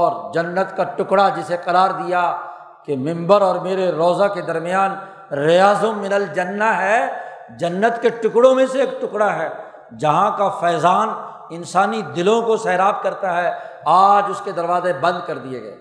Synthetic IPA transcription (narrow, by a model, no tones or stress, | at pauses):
ɔːɾd͡ʒɐnːət̪kaʈʊkɽad͡ʒɪseqɐɾaːɾd̪ija | kemɪ̃mbəɾɔːɾmeːɾeɾɔːzaked̪ɐɾmɪjaːn | ɾɪjaːzõmːɪnəld͡ʒɐnːaɦɛ | d͡ʒɐnːət̪keʈʊkɽõmẽseːkʈʊkɽaɦɛː | d͡ʒɐɦãkafɛːzaːn | ɪnsaːnid̪ɪlõkosɛːɾaːb̚kɐɾt̪aɦɛ | aːd͡ʒʊsked̪ɐɾʋaːzebɐ̃nd̪̚kɐɾd̪iḛɡɛ̰ː